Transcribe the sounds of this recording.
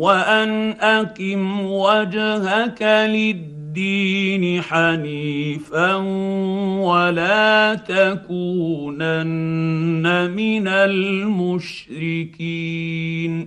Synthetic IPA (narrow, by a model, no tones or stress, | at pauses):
waʔanʔakɪmwad͡ʒhakalɪd̪ːiːnɪħaniːfa | walaːt̪akuːnanː | amɪnalmʊʃ | ɾɪkiːn